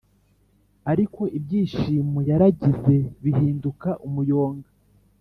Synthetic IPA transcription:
aɾiko̞ʔib̚ɟiːʃiːmojaɾaɟize̞βihiːndukaʔumujo̞ːŋɡa

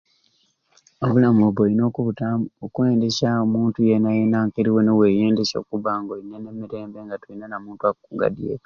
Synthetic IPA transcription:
oβulamoβoino̞ːkuβutaokuwe̞ːndeʃaomuːntujenajenaːŋkeɾiwonewe̞jeːndeʃo̰kuβaŋɡoinːene̞miɾe̞ːmbe̞ŋɡatuinanamuːntuakuɡa̰dijḛ

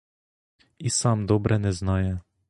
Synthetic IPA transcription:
isaːmd̪ɔːbɾʔɛnɛznaːjɛ

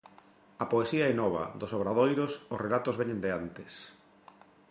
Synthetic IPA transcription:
apoesiaɛnɔβa̰ðosoβɾaðojɾosʊsrelat̪ozβeɲend̪eant̪ɪs

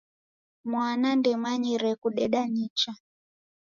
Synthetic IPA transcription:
mwanandɛmaɲiɾɛkuɗɛɗaɲit͡ʃa

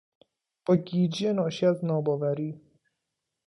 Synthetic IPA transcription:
b̥ɒːɟiːd͡ʒienɒːʃiæznɒːbɒːvæɾiː

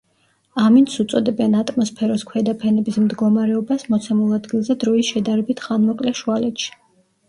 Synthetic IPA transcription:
amint̪sʰut̪sʼɔd̪ɛbɛnat̪ʼmɔspʰɛɾɔskʰwɛd̪apʰɛnɛbismd̪ɡɔmaɾɛɔbasmɔt̪sʰɛmulˠad̪ɡilˠzɛd̪ɾɔisʃɛd̪aɾɛbit̪ʰχanmɔkʼlɛʃualɛt̪ʃi̥

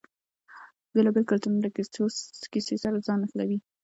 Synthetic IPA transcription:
belɑbelkalt̪unulak | kisesaɾad͡zɑnaxlawi

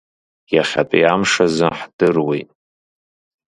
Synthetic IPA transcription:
jaχʲapʼiamʂazɨħd̥ɨrwḭjtʼ

